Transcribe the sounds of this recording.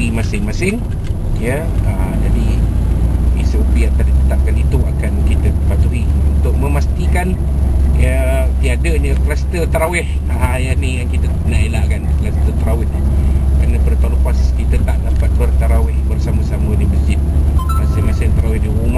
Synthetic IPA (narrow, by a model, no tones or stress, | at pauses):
imasɪŋmasɪn | jə | əd͡ʒadi | ḭsəupiat̪adit̪ət̪ap̚kanit̪uakankit̪əpat̪uiunt̪ʊʔ̚məmast̪ikan | jət̪iadəɲəklast̪ət̪əɾawɪh | aɦajanijaŋkit̪əənaʔelaʔkanklast̪ət̪əɾawɪhkanəpərt̪aoləpaskit̪ət̪aʔdapat̪̚bərt̪əɾawɪhbərsaməsaməniməsd͡ʒɪt̪̚masɪŋmasɪnt̪əɾawɪhdiuma